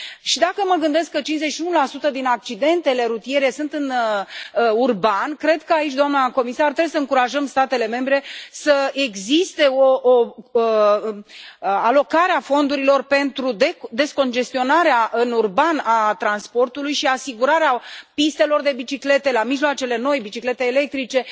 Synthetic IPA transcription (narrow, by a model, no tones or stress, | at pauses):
ʃid̪akəməɡɨnd̪e̞skːət͡ʃinze̞t͡ʃʃiunulasut̪əd̪inak̚t͡ʃid̪e̞nt̪e̞le̞ɾut̪ije̞ɾe̞sunt̪ɨn | urbankɾe̞d̪kəait͡ʃʲd̪oamnako̞misart̪ɾebuis̬əɨŋkuɾaʒəmst̪at̪e̞le̞me̞mbɾe̞səeɡzist̪e̞oʔo | alo̞kaɾeafo̞nd̪uɾilo̞rpe̞nt̪ɾud̪ed̪e̞sko̞nd͡ʒe̞st̪io̞naɾeaʔɨnurbanat̪ɾanspo̞rt̪ulujʃiasiɡuɾaɾeapist̪e̞lo̞rd̪e̞bit͡ʃikle̞t̪e̞lamiʒloat͡ʃe̞le̞no̞jbit͡ʃikle̞t̪eːle̞k̚t̪ɾit͡ʃe̞